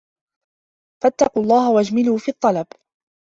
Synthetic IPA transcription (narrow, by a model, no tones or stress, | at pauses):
fat̪ːɑquːɑlˤːɑːhawad͡ʒmɪluːfiːt̪ˤːɑlɑb